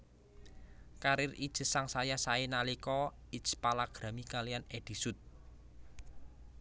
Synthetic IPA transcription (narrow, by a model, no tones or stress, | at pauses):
kaɾɪrid̥ʒ̥ə̤saŋsajasaenalikɔidt͡ʃpalaɡ̥ɾa̤mikalijaned̪̥i̤sut̪̚